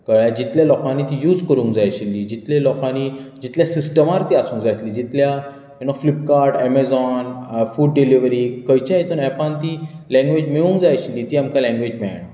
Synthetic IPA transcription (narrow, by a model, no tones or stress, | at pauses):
kəɭad͡ʑit̪ljalɔkãniːt̪ijuːd͡zkəɾũŋkd͡zajaɕilːiːd͡ʑit̪lelɔkãnid͡ʑit̪ljasisʈəmaɾt̪iːasũːŋkd͡zajt̪liːd͡ʑit̪lja | junaflip̚kaɾʈɛmɛd͡zɔnfuːɖɖeliʋɾiːkəjt͡ɕaɦet̪uːnɛpãnt̪i | lɛ̃ŋɡʋed͡ʑmeũŋkd͡zajaɕilːiːt̪iːamkalɛ̃ŋɡʋed͡ʑmɛɭa̰ɳ̃a